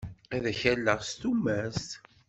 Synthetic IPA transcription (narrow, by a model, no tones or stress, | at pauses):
æðæçælːəʁst̪umːæst̪